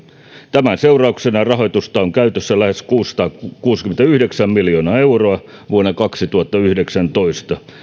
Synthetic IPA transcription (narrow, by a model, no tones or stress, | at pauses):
t̪æmænseurɑuksenɑrɑhoit̪ust̪ɑoŋkæyt̪øsːælæheskuːst̪ɑːkuːskyment̪æyhdeksæmmiljonɑːeuroɑ | ʋuonːɑkɑksit̪uhɑt̪ːɑyhdeksænt̪oist̪ɑ